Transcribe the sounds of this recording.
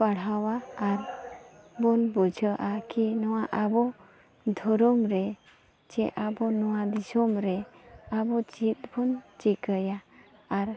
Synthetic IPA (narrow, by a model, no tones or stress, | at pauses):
paɽ̤awaːɾ | bɔnbud͡ʒʱəʔakinɔwaʔabɔ | d̪ʱɔɾɔmɾɛ | d͡ʒɛʔabɔnɔwad̪isɔmɾɛabɔt͡ʃit̪̚bɔnt͡ʃikəjaːɾ